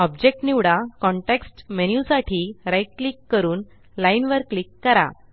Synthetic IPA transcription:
ɔb̚d͡ʑek̚ʈniʋɽakɔɳʈeksʈmenjusaʈʰiːɾajʈ̚klikːəɾuːn | lainʋəɾklikːəɾa̰

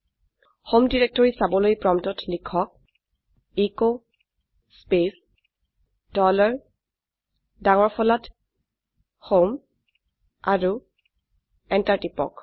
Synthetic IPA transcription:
homdiɹek̚tɔɹisabɔlojpɹɔmtɔtlikʰɔk̚ | iko | spes | dɔlɔɹ | daŋɔɹpʰɔlat | hom | aɹu | ɛntaɹtipɔ̰k

